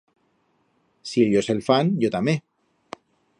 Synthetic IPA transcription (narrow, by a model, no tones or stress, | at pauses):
siʎoselfanʝot̪ame